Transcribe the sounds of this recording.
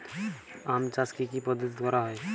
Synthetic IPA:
amt͡ʃaskikipəd̪ət̪d̪waɾaɦɔj

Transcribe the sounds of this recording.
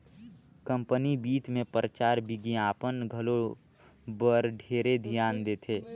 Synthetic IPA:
kə̃mpənibiːt̪mẽpəɾət͡ʃaːɾbiɡiaːpənɡʱəlo | bəɾɖʱeːɾed̪ʱijaːnd̪eːt̪ʰeː

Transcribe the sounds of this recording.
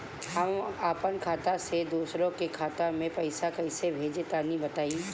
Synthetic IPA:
hɐmaːpənkʰaːt̪ased̪uːsɾõkekʰaːt̪amẽpɐɪsakɐɪsebʱeːd͡ʒet̪anĩbɐt̪aːi

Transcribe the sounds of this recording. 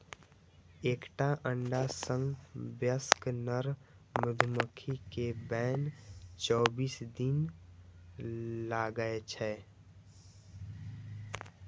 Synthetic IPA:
eːkʈaʔə̃ɳɖasə̃ŋɡbjəsknəɾ | mʊd̪ʱməkʰikebɛːnt͡ʃɔːbiːsd̪ɪn | laːɡəet͡ʃʰɛː

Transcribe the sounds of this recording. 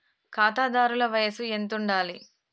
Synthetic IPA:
kaːt̪aːd̪aːɾulɐʋɐjɐsue̞nt̪̬uɳɖaːli

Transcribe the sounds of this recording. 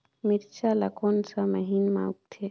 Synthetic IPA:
miɾt͡ʃalakonsaməɦiːnmã̰uk̚t̪ʰe

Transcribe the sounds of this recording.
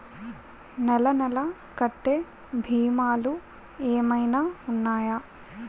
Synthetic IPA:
nɛlɐnɛlɐ | kɐʈːeː | bʱiːmaːlu | eːmɐjnaːunːaːjɐ

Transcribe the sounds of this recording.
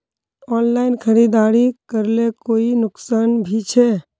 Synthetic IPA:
ɔːnlaɪnkʰəɾid̪aːɾikəɾlekoːinʊksaːnbʱit͡ʃʰɛ

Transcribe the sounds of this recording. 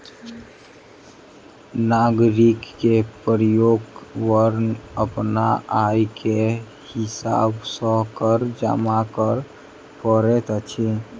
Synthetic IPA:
naɡɾikːepəɾjoɡwəɾnəpnaʔajke | hɪsa̰bsɔkəɾd͡ʒə̰makəɾ | pəɾet̪ət͡ʃʰi

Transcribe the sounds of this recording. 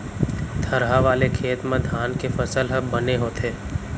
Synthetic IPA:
t̪ʰɐɾɦaʋaːlekʰeːt̪mẽd̪ʱaːnkefɐsəlɦəbːɐneɦoːt̪ʰeː

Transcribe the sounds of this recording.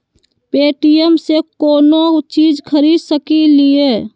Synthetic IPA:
peːʈijəmsekoːnot͡ʃiːd͡ʒkʰəɾiːd̪səkilieː

